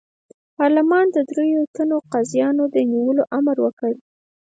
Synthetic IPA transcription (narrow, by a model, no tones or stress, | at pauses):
pɑɾlɪmɑnd̪əd̪ɾejot̪anoqɑzjɑnod̪əniwəloʔamaɾwəkəɽ